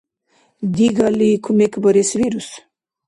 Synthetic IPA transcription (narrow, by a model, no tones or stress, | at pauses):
d̪iɡalikʰumekbɔɾesviɾus